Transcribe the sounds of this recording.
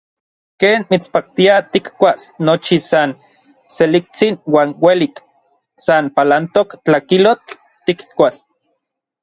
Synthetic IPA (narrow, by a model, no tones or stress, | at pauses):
keːnmit͡spak̚t̪iat̪ikkʷasnot͡ʃisan | selik̚t͡sinwaːnwelik | sanpalant̪okt͡ɬakilot͡ɬ | t̪ːikkʷal